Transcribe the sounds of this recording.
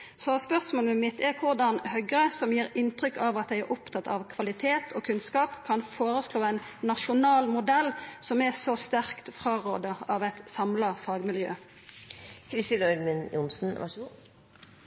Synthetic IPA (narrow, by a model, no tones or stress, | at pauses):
sɔspœʁsmoːləmɪt̪ɛkʰʊʁd̪ɑnhœɡɾəsɔmjiːɾɪnt̪ɾʏkːɑʋɑt̪̚d̪æɪæɾʔʊpt̪ʰɑt̪ɑ̰ʋkʰʋɑlɪt̪ʰeːt̪ʰoːkʰʉnskɑːpkʰɑnfoːɾəsloːæɪnːɑʃʊnɑːlmʊd̪ɛlsɔmɛsɔst̪æʁkt̪fɾɑːʁo̰ːd̪əɑʋæɪt̪sɑmlɑfɑːɡmɪljø̰ː | kʰɾɪst̪iːnəœɾmɪnjʊ̰nsn̩ʋɑ̰ʂ